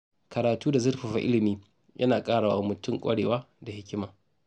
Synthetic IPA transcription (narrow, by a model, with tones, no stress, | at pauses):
kɐ˨ɾaː˨tuː˦da˨zʊ˦rɸɐ˨ɸa̰˨ʔɪ˦lɪ˨miː˦ | jʔɐ̰˦naː˨kʼaː˦ɽaː˨wa˦mʊ˨tʊ˦˨ŋkʷʼɐ̰˦ɽeː˨waː˦ | da˨hɪ˦kʲɪ˦maː˨